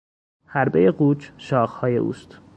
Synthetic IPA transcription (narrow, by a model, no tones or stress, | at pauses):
hæɾbe̞jeɢuːt͡ʃʃɒːxhɒːje̞̰ʔṵːst̪